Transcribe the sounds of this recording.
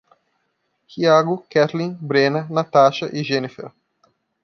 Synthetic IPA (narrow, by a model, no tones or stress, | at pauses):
hiaɡʊkɛt̪lĩbɾenɐnat̪aʃɐʔiʒẽnifɛ̰ɾ